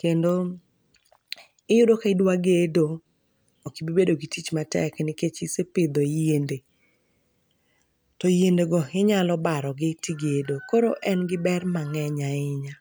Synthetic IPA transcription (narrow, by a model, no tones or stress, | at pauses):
kendo | ɪjʊdokaɪdwaɡedo | okibibedoɡitit͡ʃmatɛ̰knɪket͡ʃisepɪd̪ojende | tɔjendeɡɔɪɲalɔbaɾɔɡɪtiɡedokoɾoʔɛnɡɪbɛrmaŋɛɲaɪɲa